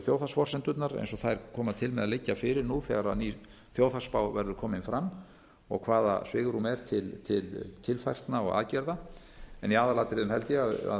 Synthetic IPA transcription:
θjowθasfɔr̥sɛnt̪ʏt̪naɾɛḛjnsɔθaðɛɾkʰɔːmaðt̪ʰɪlmɛðalɪcːafɪɾɪɾnuθɛ̰ɣaɾaðni | θjoːwθaspawvɛɾðʏɾkʰɔːmɪnfɾamː | ɔ̰ɣkʰvaːða̰svɪːɣɾumɛɾ̥t̪ʰɪlt̪ʰɪlt̪ʰɪlfajr̥t̪naɔ̰ɣa̰ðcɛɾða | ɛniaːðalaːt̪ɪɾɪðʏmhɛlt̪ɪjɛaða̰

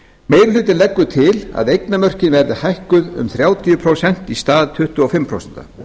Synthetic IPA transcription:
mejɾʏlʏːt̪ɪnlɛkːʏt̪ʰɪla̰ðejknamœr̥cɪnvɛɾðɪhajhkʏðʏ̰mθɾjaːwt̪ʰijʏpʰɾowsɛn̥t̪ist̪aːðt̪ʰʏht̪ʏɔfɪmːpʰɾo̰wsɛ̥n̥t̪a̰

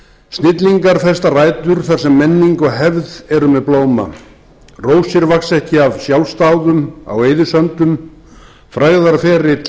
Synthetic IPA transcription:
st̪nɪt̪liŋkaɾ̥θɛst̪araːjt̪ʏɾ̥θaɾ̥sɛmːɛnːiŋkɔɣɦɛvðɛɾʏmɛðploːwma̰ | roːwsɪɾvaksɛhcɪavsjawlst̪aːwðʏma̰weːjðʏsœnt̪ʏm | fɾaɣðaɾfɛːɾɪt̪

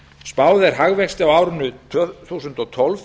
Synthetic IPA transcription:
spaːwðɛɾ̥ɦaɣvɛkst̪ɪawaːwɾʏnʏt̪ʰθuːsʏnt̪ɔt̪ʰɔlv

